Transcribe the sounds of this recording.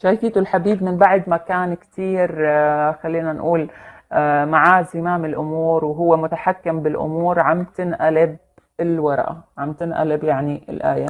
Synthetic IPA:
ʃaːjfiːt̪ʊlħabiːbmɪnbaʕd̪makaːnkt̪iːɾxalːiːnanʔuːlː | maʕaːzɪmaːmɪlʔʊmuːɾwɦʊwːemʊt̪aħakːɪmbɪlʔʊ̰muːɾʕamt̪ɪnʔalɪb̚ | ɪlwɑɾˤʔa̰ʕamt̪ɪnʔa̰lɪbjaʕniɪlʔaːja

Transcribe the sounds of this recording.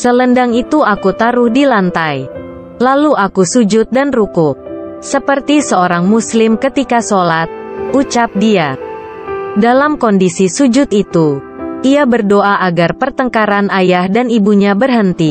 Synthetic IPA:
sələndaŋit̪uakut̪aɾʊhdilant̪aj | laluʔakusud͡ʒʊt̪̚danrukʊk̚ | səpərt̪isəoɾaŋmuslɪmkət̪ikasolat̪̚ut͡ʃap̚dia | dalamkɔndisisud͡ʒʊt̪it̪u | ʔiabərdoʔaʔaɡarpərt̪əŋkaɾanʔajahdanibuɲabərɦənt̪i

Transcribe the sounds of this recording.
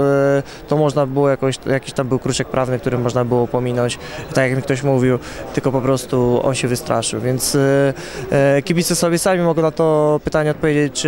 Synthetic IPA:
t̪ɔmɔʐnabɘwɔjakɔ̃w̃ɕjakʲiɕt̪ambɘwkɾuʂɛk̚pɾʔavnɘkt̪uɾɘmɔʐnabɘwɔpɔmʲinɔɲt͡ɕ | t̪akjakmʲikt̪ɔɕmuvʲiwt̪ɘlkɔpɔpɾɔst̪uɔ̰nɕɛvɨst̪ɾʔa̰ʂɘwvʲjɛnt̪s | kʲibʲit̪sɛsɔbʲjɛsamʲimɔɡɛnat̪ɔpɘt̪aɲɛɔt̪pɔvjed͡ʑet͡ɕt͡ʂ

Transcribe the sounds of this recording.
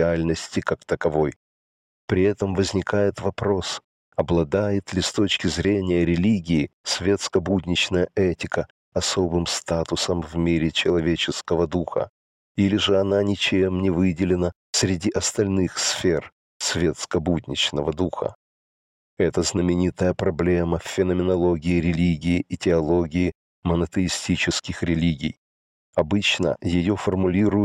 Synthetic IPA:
ɪalʲnəsʲtʲɪkakt̪əkɐvo̞j | pɾʲɪɛt̪əmvəzʲnʲɪkajɪt̪vɐpɾo̞s | ɐblˠɐd̪ajɪt̪lʲɪst̪o̞t͡ɕkʲɪzɾʲenʲɪjəɾʲɪlʲiɡʲɪːsvʲet̪skəbudʲnʲɪt͡ɕnəjəʔɛtʲɪkə | ɐso̞bɨmst̪at̪ʊsəmvmʲiɾʲɪt͡ɕɪlˠɐvʲet͡ɕɪskəvəd̪uxə̰ | ilʲɪʐɨɐnanʲɪt͡ɕemnʲɪvɨdʲɪlʲɪnə | sʲɾʲɪdʲiʔɐst̪ɐlʲnɨxsfʲer | svʲet̪skəbud̪ʲnʲɪt͡ɕnəvəd̪uxə̰ | ɛt̪əznəmʲɪnʲit̪əjəpɾɐblʲe̞məfʲfʲɪnəmʲɪnɐlˠo̞ɡʲɪɪɾʲɪlʲiɡʲɪɪʔɪtʲɪɐlˠoɡʲɪɪ | mənət̪əɪsʲtʲit͡ɕɪskʲɪxɾʲɪlʲiɡʲɪj | ɐbɨt͡ɕnə̰jɪjofərmʊlʲiɾʊjʊ

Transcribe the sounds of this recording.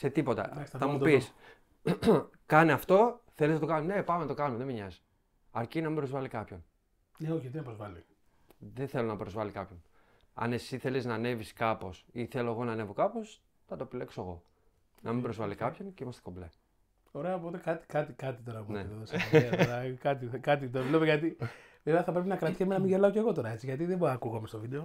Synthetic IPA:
se̞t̪ipo̞t̪ɐ̰ɐksθɐmupis | kɐneɐft̪o̞θeliznɐt̪o̞kɐnune̞pɐmenɐt̪okɐnumeðemiɲɐzi | ɐɾcinɐmĩmbɾo̞zvɐlikɐpço̞n | neoçɐt̪inɐpɾozvɐli | ðeθelo̞nɐpɾo̞zvɐlikɐpço̞n | ɐ̰ne̞siθe̞liznɐne̞viskɐpo̞siθe̞lo̞eɣo̞nɐne̞vo̞kɐpo̞s | θɐt̪oepile̞ksoeɣo̞ | nɐmibɾo̞zvɐlikɐpço̞ncimɐst̪e̥koble | o̞ɾeɐpoot̪ekɐt̪i̥kɐt̪ikɐt̪it̪o̞ɾɐneoðost̪ɾɐkɐt̪ikɐt̪̬it̪olepeɣɐt̪i | veveɐθɐpɾe̞p̬inɐkɾɐt̪i̥çemenɐmiʝelɐoce̞ɣo̞t̪o̞ɾɐe̞t͡siʝɐt̪iðeboɐkuɣomest̪ovid̪e̞o

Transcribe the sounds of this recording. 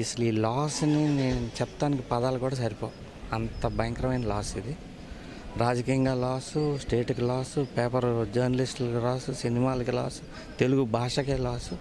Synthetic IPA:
isɐluiːlaːsnineːnut͡ʃɛpt̪aːnikipɐd̪aːlɐkuːɽaːs̬ɐɾipoː | ɐnt̪ɐbɐjɐŋkɾɐmɐjnɐlaːsid̪i | ɾaːd͡ʒɐkiːjɐŋɡaːlaːsusʈeːʈkilaːsupeːpɐɾd͡ʒɐɾnɐlisʈlɐkilaːsusinimaːlɐkila̰ːsu̥ | t̪e̞luɡubʱaːʂɐkeːlaːsu

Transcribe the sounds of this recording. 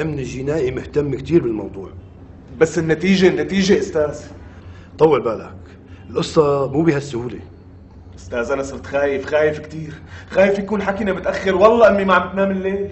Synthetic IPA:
ʔɪmnɪlʒɪnaːʔimʊht̪amːkt̪iːɾbɪlmɑ̰wd̪ˤuːʕ | basːɪnːat̪iːʒenːat̪iːʒeʔʊst̪aːz | t̪ˤɑwːɑlbaːla̰k | ɪlʔʊsˤːɑmuːbihasːʊhuːle | ʔʊst̪aːzʔanɑsˤɨɾt̪xaːjɪfxaːjɪfkt̪iːɾxaːjɪfjakuːnħakinamɪt̪ʔaxːɪɾwɑlˤːɑʔamːimaʕamt̪maːmɪlːeː

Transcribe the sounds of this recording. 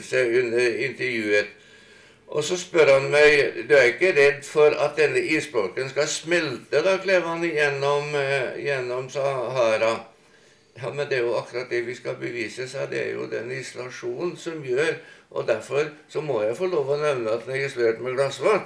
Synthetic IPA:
sæɪʉnːəɾɪnt̪əɾjʉːət̪ | ʔɔ̰sɔspœɾhɑnmæɪd̪ʉæɾɪkːəɾɛd̪ːfɔɾɑ̰t̪̚d̪ɛnːəʔiːspɾoːkənskɑsmɛlt̪əd̪ɑːkʰleːʋhɑnjɛnːɔmjɛnːɔmsɑɦɑːɾɑ | jɑːmɛnd̪ɛæɾjʊɑkːɾɑt̪̚d̪ɛʋɪskɑbəʋiːsəsæɪd̪ɛ̰æ̰ɾjʊ̰d̪ɛ̰nɪsɔlɑʂuːnnnsɔmjøːɾʔɔ̰d̪æɾfɔɾsɔmɔjæɪfɔɭoːʋɔnɛʋnəɑt̪d̪nɛɡɪsleːʈmɛɡlɑsʋɑ

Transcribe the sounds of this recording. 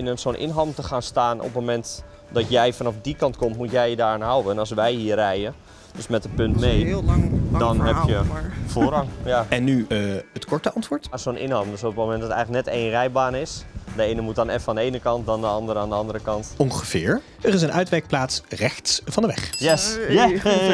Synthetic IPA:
ɪnənsoːnʔɪ̰nɦamətəxaːnstaːnʔɔ̰pmomɛnt | dɔtjɛjfanɑfdikɑntkomtmutjɛjədaːranɦawənɔsʋɛjɦiːərɛjə | d̥øsmɛtəpøntmej | dɔnɦɛpjəfoːrɑŋjaɛnːyətkɔɹtəɑntʋʊːɹtasonʔɪ̰nhaːvəndøsopətmomɛntdɔtɛjɣlək̚nɛteːnrɛjbaːnəɪsdəejnəmutanɛfandəejnəkɑnt̚dɔndəɑndəɾəaːndəɑndəɾəkɑntɔŋχəvɪːɹ | ərɪsənœɥtʋɛk̚plaːtsrɛxtsfɑndəʋɛ̰xjɛsj

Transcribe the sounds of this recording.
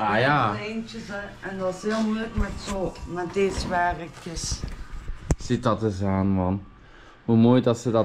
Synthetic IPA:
ajaːent͡ʃəsɛɛndɑsɦeːlˠmujləkmɛtsoːmɛtdɪsʋaːrəkəs | sɪt̚dɑtəzaːnmɑn | ɦumoːjdɑtsədɑ

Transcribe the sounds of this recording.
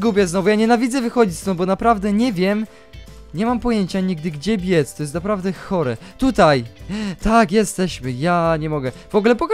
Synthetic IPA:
ɡupʲjɛznɔvujaɲɛnavʲidzɛvɘxɔd͡ʑit͡ɕʲst̪ɔ̃w̃bɔnapɾavd̪ɛɲɛvʲjɛm | ɲɛmampɔjeɲt͡ɕaɲiɡ̚d̪ɘɡd͡ʑɛbʲjɛt̪st̪ɔjɛst̪napɾavd̪ɛxɔɾɛt̪ut̪ajt̪akjɛst̪ɛɕmɘjaɲɛmɔɡɛv̥ɔɡlɛpɔka

